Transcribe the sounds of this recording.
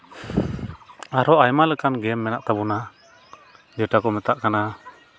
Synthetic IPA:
aɾɔajmalɛkanɡɛmːɛnaʔt̪abɔna | d͡ʒɔʈakɔmɛt̪aʔkana

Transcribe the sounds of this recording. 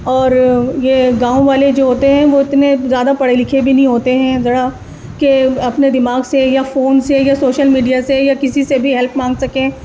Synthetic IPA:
ɔːɾjeːɡãːõʋaːled͡ʒoːɦoːt̪eɦɛ̃ʋoɪt̪nezjaːd̪apɐɽelɪkʰebʱinɐɦĩɦoːt̪eɦɛ̃zɐɽa | keɐpned̪ɪmaːɡsejafoːnsejasoːʃəlmiːɖijasejakɪsisebʱiɦɛlpmãːŋɡsɐkẽː

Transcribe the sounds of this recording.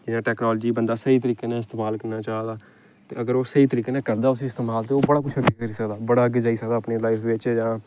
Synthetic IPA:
d͡ʒɪnãːʈɛːknaːləd͡ʒiːbənd̪aːsəiːt̪əɾiːkeːnãːɪst̪eːmaːlkəɾnaːt͡ʃaːd̪aː | t̪eːəɡəɾoːsəiːt̪əɾiːkeːnãːkəɾd̪aːʊsĩːɪst̪eːmaːlt̪eːoːbəɽaːkʊt͡ʃʰəɡeːkəɾiːsəkd̪aːbəɽaːəɡeːd͡ʒaːiːsəkd̪aːpneːlaːifʋɪt͡ʃd͡ʒãː

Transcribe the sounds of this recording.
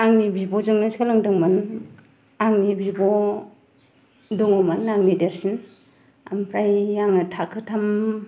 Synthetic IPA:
aŋnibibɔzɯŋnɯskalɯŋdɯŋman | aŋnibibɔ | dɯŋɔmanːaŋnideɾsin | a̰mpʰɾajːaŋɯtʰakʰɯtʰam

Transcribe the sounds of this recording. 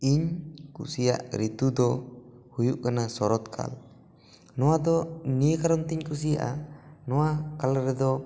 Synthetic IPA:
iɲkṵsija̰ʔɾit̪ud̪ɔ | hujuʔkanasɔɾɔt̪kʰa̰l | nɔwad̪ɔnijəkaɾɔnt̪iɲkus̬ija̰ʔanɔwakalɾɛd̪ɔ

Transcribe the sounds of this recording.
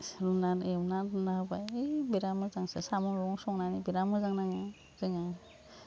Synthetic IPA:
ɾunːanemnanɾundahbajejbeɾamɯzaŋsesamɔnɾɔŋsɔŋnanibiɾamɯzaŋnaŋa | z̥ɯŋa

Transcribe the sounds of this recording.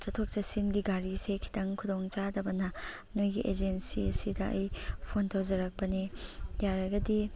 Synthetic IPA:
t͡ʃɐtʰok̚t͡ʃɐsinɡiɡaɾisekʰi̥tʰɐŋkʰudoŋt͡ʃadɐbɐnɐ | nojɡiʔed͡ʒensiɐsidɐʔɐ̰jpʰontʰawzɐɾɐk̚pɐnijaɾɐɡɐdi

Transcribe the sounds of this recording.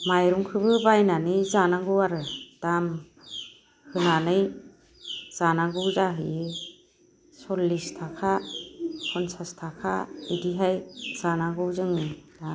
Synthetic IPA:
majɾuŋkʰɯbɯbajnanɯjzanaŋɡɯwaɾɯd̥am | hɯnanɯj | z̥anaŋɡɯwzaɦɯ | sɔlːistʰakʰa | kʰɔnsastʰakʰa̰idiɦajz̥anaŋɡɯwzɯŋɯda

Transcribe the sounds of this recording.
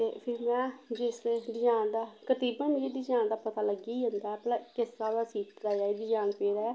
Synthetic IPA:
t̪eːpʰɪɾmɛ̃ːd͡ʒɪsɖ̪ɪd͡ʒaːnd̪aːkət̪iːbənd͡ʒid̪id͡ʒãːnd̪aːpət̪aːləɡiːɦõnd̪aːplakɪsːaːd̪aːsiːkd̪aːjaːid̪id͡ʒaːnpeːɾaːɛː

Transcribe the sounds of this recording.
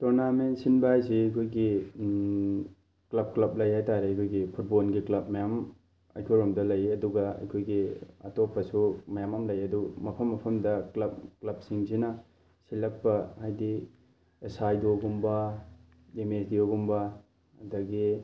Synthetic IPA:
toɾnamensinbaajsiɐjkʰojɡi | klɐb̚klɐp̚lɐjhajtaɾeɐjkʰojɡipʰut̚bolɡiklɐp̚mɐjam | ɐ̰jkʰoɾomdɐlɐjɐduɡɐɐ̰jkʰojɡiɐ̰topʰɐsumɐjamɐmlɐjɐdumɐpʰɐmːɐpʰɐmdɐklɐp̚klɐp̚siŋsinɐ | silɐk̚pɐhajdi | esajdoɡumbɐ | emesdioɡumbɐ | ɐdɐɡi

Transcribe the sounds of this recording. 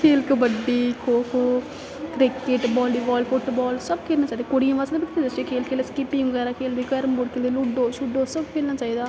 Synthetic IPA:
kʰeːlkəbəɖiːkʰoːkʰoː | kɾɪkɪʈbɔːliːbɔːlfʊʈbɔːlsəbkʰeːlnaːt͡ʃaːid̪aːkoːɽijãːʋaːsd̪eːbɪt̪ʰːeːd̪at͡ʃekʰeːlkʰeːld̪aːskɪpɪ̃ŋʋəɡɛːɾaːkʰeːld̪iːɡəɾəmboɽkʰeːld̪iːluɖoːt͡ʃʰʊɖːoːsəbkʰeːlnaːt͡ʃaːiːd̪aː

